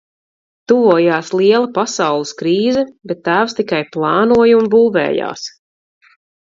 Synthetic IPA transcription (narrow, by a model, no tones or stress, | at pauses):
t̪uvuːjaːslˠiɛlˠɐpasawlˠɨskɾiːzɛbɛt̪ːæːvst̪ikajplˠɑːnuɔjumbuːvɛ̰ːja̰ːs